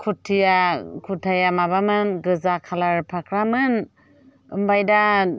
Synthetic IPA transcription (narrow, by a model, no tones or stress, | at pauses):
kʰutʰːijakʰutʰajamabamɯnɡɯzakʰalaɾpʰakʰɾamɯn | ɯmbajda